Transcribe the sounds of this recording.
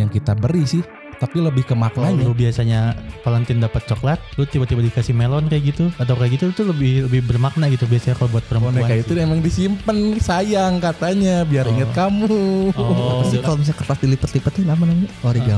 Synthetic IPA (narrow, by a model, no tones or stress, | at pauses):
jaŋkit̪abəɾisɪh | t̪apiləbɪhkəmak̚naɲalobiasaɲapalant̪ɪndapət̪̚t͡ʃɔklat̪̚lot̪ibat̪ibadikasimelɔnkajaɡit̪uat̪̬awkajaɡit̪ut̪uləbɪhləbɪhbərmak̚naɡit̪ubiasaɲakalobuat̪̚pəɾəmponpɛakait̪uemaŋdisimpənsajaŋkat̪aɲabiaɾiŋət̪kamu | asit̪ɔns̬ɲakərt̪asd̪ilipət̪lipət̪ːinamanaɲaoɾiɡa